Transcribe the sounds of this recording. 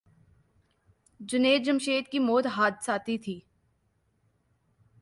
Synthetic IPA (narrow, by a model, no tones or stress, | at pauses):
d͡ʒʊneːd͡ʒəmʃeːt̪̚kimoːt̪ɦaːd̪saːt̪it̪ʰiː